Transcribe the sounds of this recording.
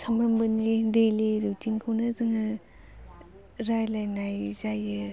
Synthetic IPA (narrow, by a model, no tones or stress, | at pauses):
sʰamɾɐmbɯnlidejliɾutʰinkʰownɯzɯŋɯ | ɾajlajnajzajɯ